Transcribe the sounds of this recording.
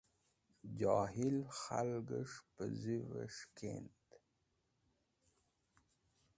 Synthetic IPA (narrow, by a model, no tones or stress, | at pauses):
d͡ʑɑːɦilxalɡəʂpəzivəʂkḛnt̪